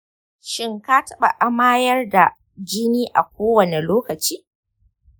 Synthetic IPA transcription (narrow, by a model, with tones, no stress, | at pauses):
ʃɪ˦ŋka˦tɐ˦ɓa̰˨ʔa˨˦maː˦jɐ˦rda˨ | d͡ʒɪ˦niː˦ʔa̰˨kʷoː˦wɐ˨ne˨loː˦kɐ˨t͡ʃiː˦